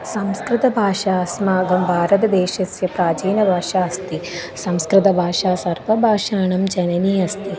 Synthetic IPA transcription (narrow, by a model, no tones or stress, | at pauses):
sɐmskɾɪt̪ɐbʱaːʃaːsmaːɡɐmbʱaːɾɐt̪ɐd̪eːʃɐsjɐpɾaːd͡ʒiːnɐbʱaːʃaːɐst̪isɐmskɾɪt̪ɐbʱaːʂaːsɐɾpɐbʱaːʂaːɳɐmd͡ʒɐnɐniːɐst̪i